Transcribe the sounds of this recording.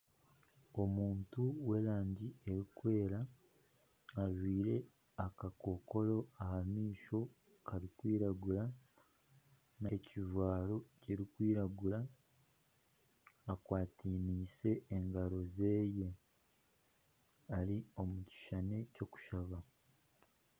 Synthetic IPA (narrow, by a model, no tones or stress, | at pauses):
o̞muːntuwe̞ɾaːɲɟie̞ɾikwe̞ːɾa | ʒwiːɾe̞ | akako̞ko̞ɾo̞ahamiːʃo̞ | kʰaɾikwiːɾaɡuɾa | neciʒwaːɾo̞ciɾikwiːɾaɡuɾa | kwaːtiːniːse̞ːŋɡaɾo̞ze̞ːje̞ | aɾio̞muci̥ʃane̞co̞ku̥ʃaβa